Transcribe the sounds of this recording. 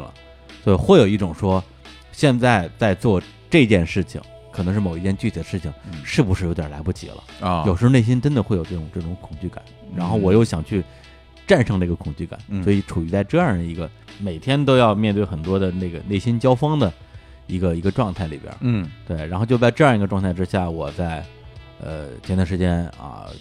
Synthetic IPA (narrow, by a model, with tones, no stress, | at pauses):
l̰ | swɔ˧˥i˨˩xwe˥˩ɪjo˨˩ʊi˥˩ʈ͡ʂʊ˨˩ŋʂwɔ˥ | ɕjɛ˥˧nt͡sa˥˧ɪt͡sa˥˧ɪt͡swɔ˥˧ | ʈ͡ʂɤ˥˧t͡ɕjɛ˥˧nʂɻ̩˥˩t͡ɕʰḭ˩ŋ | kʰɤ˨˩ɤ˧˥ʂɻ̩˥˩mo˨˩ʊi˥t͡ɕɛ˥nt͡ɕy˥˩t͡ɕʰi˨˩d̪ə˦ʂɻ̩˥˩t͡ɕʰi˩ŋʂɻ̩˥˩bu˧˩ʂɻ̩˥˩jʊj̰la˧˥pu˥˩t͡ɕʰḭ˨˩lə̰˦˧jʂɻ̩˧˥˧ne˥˩ɪɕ̬i˥nʈ͡ʂə˥nd̪ə˧xwe˥˩ɪjʊʈ͡ʂɤ˥˩ʈ͡ʂʊ˨˩ŋʈ͡ʂɤ˥˩ʈ͡ʂʊ˧˥ŋkʰʊ̥˨˩ŋt͡ɕy˥˩ka̰˨˩˦nɻa˧˥nxo˥˩ʊwɔ˨˩jo˥˩ʊɕjɑ˨˩ŋt͡ɕʰy˥˩˧ | ʈ͡ʂa˥˩nʂɤ˧˥ŋnə˧˥˧ɡə˧kʰʊ˨˩ŋt͡ɕy˥˩ka̰˨˩˦nswɔ˧˥i˧˥ʈ͡ʂʰu˨˩y˧˥t͡sa˥˧ɪʈ͡ʂɤ˥˧ja˞˥˩d̪ə˩i˧˥ɡə˧me˨˩ɪt̪ʰjɛ˥nt̪̬o˥ʊjɑ˥˧ʊmjɛ˥˧nt̪we˥˩ɪxə˨˩nt̪wɔ˥d̪ə˨ne˥˩ɡə˩ne˥˩ɪɕi˥nt͡ɕjɑ˥ʊfɑ˥ŋd̪ə˨ | i˧˥ɡə˧i˧˥ɡə˧ʈ͡ʂwɑ˥˧ŋt̪ʰa˥˩ɪli˨˩bjə̰˧˥t̪we˥˩ɪɻa˧˥nxo˥˧t͡ɕjt͡sɤ˥˧ji˧˥ɡə˧ʈ͡ʂwɑ˥˧t̪ʰa˥˩ɪʈ͡ʂɻ̩˥ɕja˥˩wɔ˨˩t͡sa˥˩ɪ | ə̰˧t͡ɕʰjɛ˧˥nt̪ʂɻ̩˧˥t͡ɕjɛ˥nɐ̰˧˩